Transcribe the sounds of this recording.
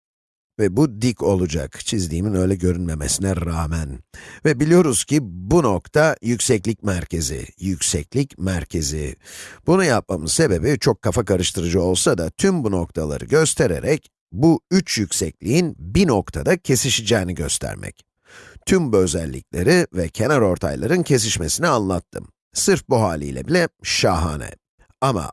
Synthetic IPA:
vɛbud̪ico̞lˠud͡ʒa̰kt͡ʃʰizd̪iːminø̞jlʲɛɟø̞ɾynme̞mesinɛɾaːmænvɛbilʲijo̞ɾuz̥cʰibuno̞kt̪ʰajycʲsɛclʲicmæɾcʰe̞zḭjycʲsɛclʲicmæɾcʰe̞zḭb̥unujap̚mamɯz̥se̞be̞bit͡ʃʰo̞kʰːafakaɾɯʃt̪ʰɯɾɯd͡ʒɯo̞lˠsad̪at̪ʰymbuno̞k̚t̪ʰalˠa̰ɾɯ̰ɟø̞st̪ʰe̞ɾe̞̰ɾɛc | buyt͡ʃjycʲsɛclʲiinbino̞kt̪ʰad̪acʰe̞siʃid͡ʒɛːniɟø̞st̪ʰæ̰ɾmʔɛ̰c | t̪ʰymbø̞zɛlʲːḭcʲlʲe̞ɾivɛcʰe̞naɾo̞ɾt̪ʰa̰jlˠaɾɯncʰe̞s̬iʃme̞sinianlˠat̪ʰːɯm | sɯɾfbuɦaːlʲḭjlʲɛ̰bilʲɛʃaɦa̰ːnɛ̰ | ama̰

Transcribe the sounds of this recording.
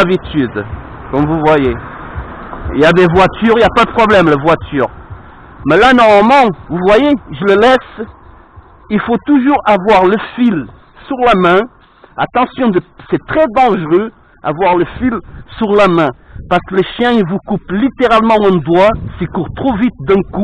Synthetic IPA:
abit̪yd̪kɔmvuvwaje | ḭljad̪evwat̪yʁiljapad̪əpχɔblɛmlavwat̪yʁ | mɛlanɔmɔmɑ̃vuvwajeʒələlɛs | ilfot̪uʒuʁavwaʁləfil | syʁlamɛ̃ | at̪ɑ̃sjɔ̃d̪əsɛt̪χɛd̪ɑ̃ʒʁø | a̰vwaʁləfilsyʁlamɛ̃paʁsə̥kələʃjɛ̃ilvukuplit̪eʁalmɑ̃ɛ̃d̪wasikuʁt̪χovit̪̚d̪ɛ̃ku

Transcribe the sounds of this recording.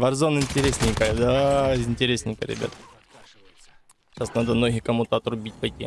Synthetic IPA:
vɐrzonɪnʲtʲɪɾʲesʲnʲɪjkajd̪aɪnʲtʲɪɾʲesʲnʲɪjkə̰ɾʲɪ̰bʲa̰t̪ə | ɕasnad̪əmnoɦʲɪxkɐmut̪əɐt̪ɾʊbʲitʲpɐjtʲi

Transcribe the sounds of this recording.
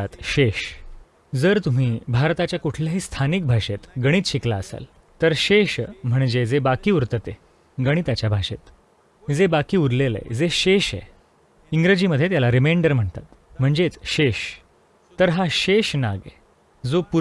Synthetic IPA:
at̪ɕeɕ | d͡zəɾt̪um̤iːbʱaɾt̪at͡ɕjakuʈʰljaɦiːst̪ʰanik̚bʱaɕet̪ɡəɽ̃iːt͡sɕiklaəsa̰l | t̪əɾɕeɕm̤əɳd͡ʑed͡zebakiːuɾt̪ət̪ḛ | ɡəɽ̃it̪at͡ɕjabʱaɕet̪ | d͡zebakiːuɾlelḛd͡zeɕeɕḛ | iŋɡɾed͡ʑiməd̪ʱːjet̪jalaɾimeɳɖəɾm̤əɳt̪a̰t̪m̤əɳd͡zet͡sɕeɕ | t̪əɾɦaɕeɕna̰ɡḛ | d͡zopu

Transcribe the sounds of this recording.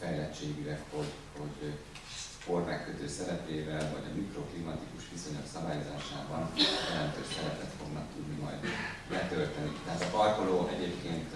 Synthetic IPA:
fɛjlɛt͡ʃːeːɡilɛkho̞ɟ | ho̞ɟ | kormɛkːøt̪øːsɛɾɛpeːvɛlvɒ̰ɟɒ̰mikroklimɒt̪ikuʃʋiso̞ɲoksɒbaːjo̞za̰ːʃaːbɒnjɛlɛnt̪ø̰ːʃsɛɾɛpɛt̪fo̞ɡnɒkt̪ud̪nimɒ̰jd̪bɛt̪ølt̪ɛnit̪ɛɦaːt̪ɒpɒrkoloːʔɛɟeːpkeːnt̪

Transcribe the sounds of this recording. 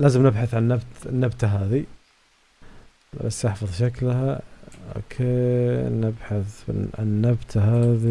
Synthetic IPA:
laːzəmnɪbħaθʕanːabt̪nːabt̪aɦaːði | l̰lasːjħfɑðˤʃaklhao̰kʰeːnɪbħaθbɪ̰a̰nːabt̪ʰaɦaːði

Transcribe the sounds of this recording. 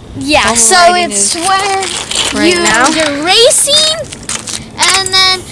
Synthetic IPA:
jæsoʊɪtswə˞jɨjə˞ɹeɪsɪ̃ŋ | ʔɨ̃nðɨ̃n

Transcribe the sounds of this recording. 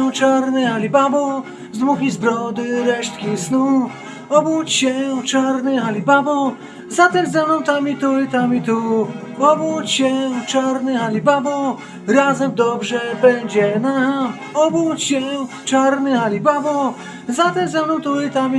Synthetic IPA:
t͡ʂaɾnɨhalʲibabɔ | zd̪muxʲizbɾɔd̪ɘɾɛʂt̪̚kʲisnu | ɔbut͡ɕɕɛt͡ʂaɾnɘɦalʲibabɔ | zat̪ɛmzɛmnɔ̃w̃t̪amʲit̪ujit̪amʲit̪uɔbut͡ɕɕɛt͡ʂaɾnɨɦalʲibabɔ | ɾazɛmd̪ɔbʐɛbɛɲd͡ʑɛna | ɔbut͡ɕɕɛ | t͡ʂaɾnɘxalʲibabɔ | zat̪ɛmzɛmnɔ̃w̃t̪uit̪amʲi

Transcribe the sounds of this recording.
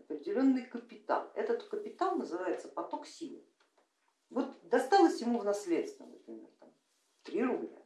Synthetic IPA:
ɐpɾʲɪdʲɪlʲo̞nːɨjkəpʲɪt̪a̰lˠɛt̪ət̪kəpʲɪt̪alˠnəzɨvajɪt̪səpɐt̪o̞ksʲilˠɨ̰ | vo̞t̪d̪ɐst̪alˠəsʲjɪmuvnɐslʲet̪st̪vʲə̰nəpɾʲɪmʲert̪am | t̪ɾʲirʊblʲa̰

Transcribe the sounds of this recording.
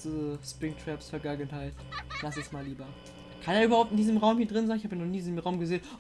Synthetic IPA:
diəspʁɪŋtʰʁ̥ɛpsfɛɐɡaɡənhaɪtlas̬ɛsmaːliːbɐ | kʰaneːɐyːbɐhaʊp̚tɪndiːzəmʁaʊmhiːɐdʁɪnzaɪnɪçhaːbəjnɔχniːdizəmʁaʊmɡəzeːn

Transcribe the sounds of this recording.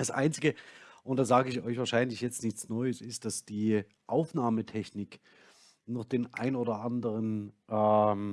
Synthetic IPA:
d̥asʔa̰ɪnt͡sɪɡəʔʊntd̥aːzaːɡəɪçɔʏçv̥aːɐʃaɪnlɪçjɛt͡stnɪçt͡snɔʏəsɪst̚d̥asd̥iː | ʔaʊfnaːmətʰɛçnɪk | nɔχd̥eːnʔa̰ɪnoːdɐʔandəʁənʔɛ

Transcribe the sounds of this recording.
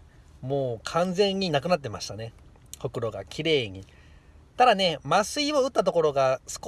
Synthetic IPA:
moːkʰãnd͡zẽ̞ɲ̟ːinak̬ɯ̟nat̪̬ːemaɕi̥t̪ane̞ | ho̞kɯ̟ɾo̞ɡa̰kʲiɾe̞ːɲ̟i | t̪ad̪ane̞masɨioɯ̟t̪ːat̪o̞ko̞ɾo̞ɡasɨ̥k

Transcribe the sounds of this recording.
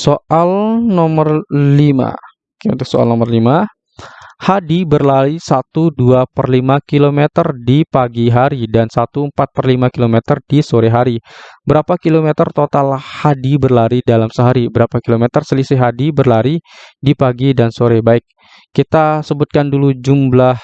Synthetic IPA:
soʔalnɔmərlima̰ | kt̪usoa̰lnɔmərlima | hadibərlaɾisat̪uduapərlimakilomet̪ərdipaɡiɦaɾidansat̪uəmpat̪̚pərlimakilomet̪ərdisoɾeɦaɾibəɾapakilomet̪ərt̪ot̪alhadibərlaɾidalamsəɦaɾibəɾapakilomet̪ərsəlisɪɦadibərlaɾidipaɡidansoɾɛbaɪk̚ː | it̪asəbut̪̚kandulud͡ʒumblah

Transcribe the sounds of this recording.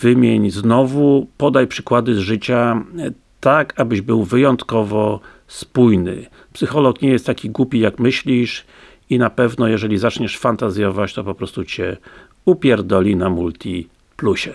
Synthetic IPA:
vɘmʲjeɲznɔvupɔd̪ajpʂɘ̥kwad̪ɘzʐɘt͡ɕa | t̪akabɘʑbɘwvɘjɔnt̪kɔvɔ | spujnɘ̰ | psɘxɔlɔkɲɛjɛst̪ːakʲiɡwupʲijakmɘɕlʲiʂ | inapɛvnɔjɛʐɛlʲizat͡ʂɲɛʂfant̪azjɔvat͡ɕt̪ɔpɔpɾɔst̪ut͡ɕɛ | upʲjɛɾd̪ɔlʲinamult̪ʲi | pluɕɛ

